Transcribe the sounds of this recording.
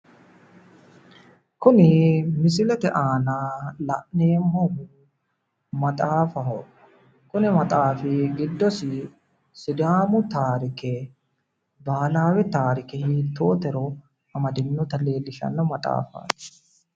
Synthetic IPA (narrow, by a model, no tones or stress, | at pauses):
kʊnɪmɪs̬ɪlɛt̪ɛʔaːnaːlɐʔneːmhɔhʊ | mɐt̪ʼaːfɐɦɔ | kʊnɛmɐt̪ʼaːfɪɡɪd̪ːɔsɪ | sɪd̪aːmʊt̪aːɾɪkɛ | baːlaːwɛt̪aːɾɪkɛhiːt̪ːoːt̪ɛɾɔ | ɐmɐd̪ɪnːɔt̪ɐle̞ːlːɪʃɐ̰nːɐmɐt̪ʼa̰ːfa̰ːt̪ɛ̥